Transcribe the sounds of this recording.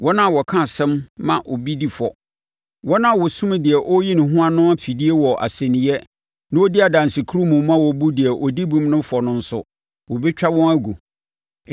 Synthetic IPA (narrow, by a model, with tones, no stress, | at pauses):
wɔ˦nã˦˨wɔ˨kʰã˦˨sɛ̃˦mːã˨ʔo˨bi˦di˨fɔ̰˨ | wɔ˦nã˦˨wɔ˨sũ˦m˦dɪ˨ɛ˨ʔɔ˦ji˦nɪ̃˨ɦʊ̃˦a˦nʊ̃˦a˦fi˨di˦e˦wɔ˨ʔa̰˨sɛ̃˨nɪ̃˨jɛ˦ | nã˦ɔ˦dɪ˦a˨dã˨n˨sɪ˨kʰu˦ɾu˦mũ˨m˦mã˦wɔ˨bu˦dɪ˨ɛ˨ʔɔ˨di˦bũ˦mnʊ̃˦fɔ˨nʊ̃˦n̩˦sʊ̰˦ | wɔ˨bi˦t͡ɕᶣa˦wɔ̃˦næ˦ɡu˨